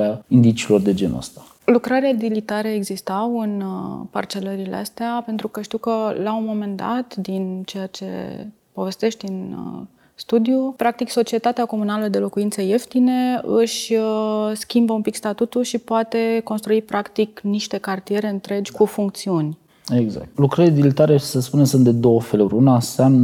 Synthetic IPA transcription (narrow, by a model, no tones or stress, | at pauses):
aind̪it͡ʃiːlo̞rd̪e̞d͡ʒḛnə̰st̪a | lukɾaɾead̪ilit̪aɾeeɡzist̪awɨnpa̰rt͡ʃe̞ləɾilḛa̰st̪eape̞nt̪ɾukəʃt̪iwkəlaunmo̞me̞nd̪a̰t̪d̪int͡ʃe̞jat͡ʃe̞̰ | po̞ve̞st̪e̞ʃt̪ʲin | st̪ud̪ijupɾak̚t̪ikso̞t͡ʃie̞t̪at̪eako̞munaləd̪e̞lo̞kuint̪səje̞ft̪ine̞ɨʃʲ | skʲimbəumpikst̪at̪ut̪uʃipoat̪e̞ko̞nst̪ɾuipɾakt̪ikniʃt̪e̞kart̪ije̞ɾe̞ɨnt̪ɾe̞d͡ʒʲkufuŋk̚t̪siunʲ | eɡza̰k̚t̪lukɾəɾid̪ilit̪aɾesəspunesunt̪d̪ed̪o̞wəfe̞luɾʲunasamn